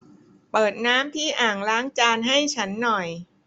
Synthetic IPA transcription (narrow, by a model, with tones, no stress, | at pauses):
pɤː˨˩t̪̚naː˦˥mt̪ʰiː˥˩ʔaː˨˩ŋlaː˦˥ŋt͡ɕaː˧nɦa˥˩jt͡ɕʰa˦˥nːɔ˨˩j